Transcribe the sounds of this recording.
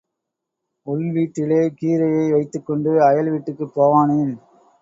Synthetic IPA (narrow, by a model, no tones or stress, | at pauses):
ʊlʋiːʈːɪleːkiːɾɐjɐɪʋɐɪt̪ːɯkːɔɳɖɯɐjɐlʋiːʈːɯkːɯpːoːʋaːnɐjɪn